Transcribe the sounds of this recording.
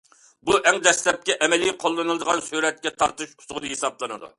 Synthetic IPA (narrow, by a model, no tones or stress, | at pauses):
buʔɛŋd̪ɛslɛp̚kʲɛʔɛmɛlijqʰolˠːɨnɨlˠɨd̪əʁɑnsyɾɛt̪̚kʲɛt̪ʰɑɾt̪ɨʃu̥sʊʁnɨɦesɑblˠɨnɨ̰d̪ṵ